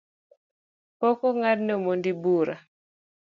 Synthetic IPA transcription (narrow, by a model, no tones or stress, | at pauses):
pɔkɔŋad̚nemondibuɾa̰